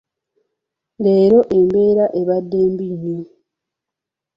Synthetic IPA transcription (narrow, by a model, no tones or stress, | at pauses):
le̞ːɾo̞ʔe̞mbe̞ːɾaʔe̞βadːe̞ːmbiɲe